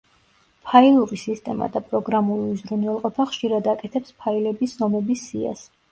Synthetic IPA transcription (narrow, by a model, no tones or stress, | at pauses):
pʰailˠuɾisist̪ʼɛma̰d̪apʼɾɔɡɾamuliuzɾunvɛlˠqʼɔpʰaχʃiɾad̪akʼɛt̪ʰɛpspʰailɛbiszɔmɛbisia̰s